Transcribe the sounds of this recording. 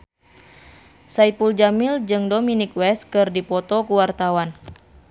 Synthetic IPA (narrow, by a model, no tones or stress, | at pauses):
saipuld͡ʒamild͡ʒɨŋdɔminik̚wɛskɨrdipɔt̪ɔkuwart̪awan